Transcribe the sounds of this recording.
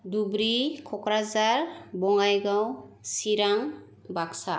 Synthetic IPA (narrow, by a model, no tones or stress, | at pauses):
dubɾikʰɔkɾazaɾbɔŋajɡawsiɾaŋ | baksa